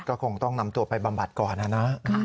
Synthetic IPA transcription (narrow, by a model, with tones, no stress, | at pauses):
kɔː˥˩kʰo˧ŋt̪ɔ˥˩ŋna˧mt̪u˧ɐpa˧jba˧mba˨˩t̪̚kɔː˨˩nʔa˨˧˩na˦˥